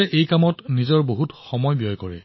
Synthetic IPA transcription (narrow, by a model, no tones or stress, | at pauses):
ɛʔejkamɔtnizɔɹboɦutxɔmɔjbijɔjkɔɹɛ̰